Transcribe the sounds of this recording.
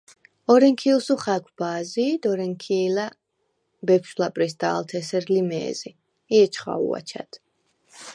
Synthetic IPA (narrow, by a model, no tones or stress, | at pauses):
ɔɾɛŋkʰilˠsuχakʷʰb̥aːzid̪ɔɾɛŋkʰiːla | bɛpʰʃlapʼɾisd̪a̰ːlt̪ʰɛsɛɾlimɛ̰ːzi | iɛt͡ʃʰχa̰ṵa̰t͡ʃʰa̰d̪̥